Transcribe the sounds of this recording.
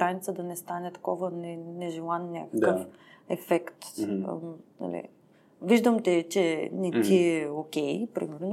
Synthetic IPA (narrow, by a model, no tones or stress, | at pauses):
ɾanit̪səd̪ɐnɛst̪anɛt̪ɐ̥kɔvənɛnɛʒɛlˠannʲakəəf | ɛfɛkt̪ | na̰lḭ | viʒd̪əmt̪ɛt͡ʃɛnit̪iɛokʲɛjpɾḭmɛɾno